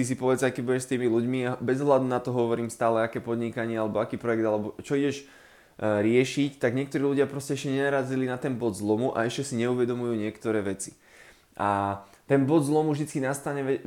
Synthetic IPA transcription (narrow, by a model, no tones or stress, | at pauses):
is̬ipɔʋɛt͡sakɛbuɟɛʃst̪iːmiluɟmiabɛzɔɦlad̪unat̪ɔɦɔʋɔɾiːmst̪aːlɛakɛːpɔd̪ɲikaɲɪɛalɛbɔakiːpɾɔjɛɡd̪alɛbɔt͡ʃɔiɟɛʃ | ɾɪɛʃict̪aɡɲɪɛkt̪ɔɾiːluɟɪapɾɔscɛɛʃcɛɲɛnaɾazilinat̪ɛnbɔd̪zlɔmuʔa̰ɛʃcɛsiɲɛuʋɛd̪ɔmujuːɲɪɛkt̪ɔɾɛːʋɛt͡si̥ | ʔat̪ɛnbɔd̪zlɔmuvʒd̪it͡skinast̪aɲɛɛ